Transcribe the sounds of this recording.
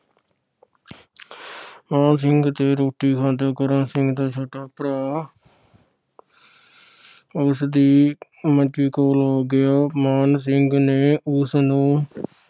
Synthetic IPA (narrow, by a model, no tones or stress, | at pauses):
mãːnsɪŋɡt̪eːɾoːʈiːkʰãːnt̪joːkəɾãːnsɪŋɡd̪aːt͡ʃʰoːʈaːpɾaː | ʊsd̪iː | mət͡ʃiːkoːlɦoːɡɪjaːmaːns̬ɪŋɡneːʊsnũː